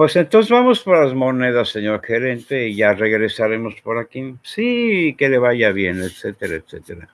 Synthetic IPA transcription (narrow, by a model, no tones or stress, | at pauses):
pwe̞se̞nt̪ons̬ezβamospoɾlazmo̞ne̞ðasːeɲo̞ɾxe̞ɾe̞nt̪e̞iʝare̞ɣɾe̞saɾe̞mo̞spo̞ɾakisike̞le̞βaʝaβje̞net̪set̪eɾaet̪set̪eɾa̰